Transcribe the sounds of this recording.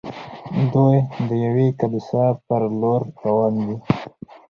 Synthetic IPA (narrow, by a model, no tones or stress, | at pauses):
d̪ojd̪əjawekabisapəɾloɾːawɑnd̪i